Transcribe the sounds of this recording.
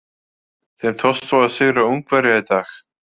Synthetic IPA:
θemt̪ʰɔst̪ɔaðsɪɣɾauŋkvɛɾjait̪aːx

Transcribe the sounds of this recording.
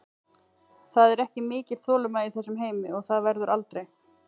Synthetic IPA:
θaðɛɾɛhcɪmɪːcɪl̥θɔːlʏmaiθɛsːʏmɦeːjmɪɔɣθaðvɛɾðʏɾʔalt̪ɾej

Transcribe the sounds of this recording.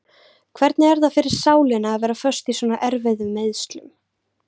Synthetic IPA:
kʰvɛɾt̪nɪɛɾðafɪɾɪɾ̥saːwlɪnaːðvɛːɾafœ̥st̪iswɔːnaʔɛɾvɛðʏmːeːðst̪lʏ̰m

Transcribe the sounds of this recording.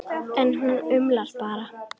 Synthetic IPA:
ɛnɦunʏmlaɾ̥paːɾa

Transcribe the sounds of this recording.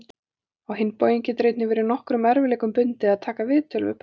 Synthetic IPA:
awɦɪnːpowjiɲcɪt̪ɾejt̪nɪvɛːɾɪnɔhkɾʏmɛɾvɪlɛːkʏmpʏnt̪ɪaðt̪ʰaːkavɪðt̪ʰœlvɪ̰p

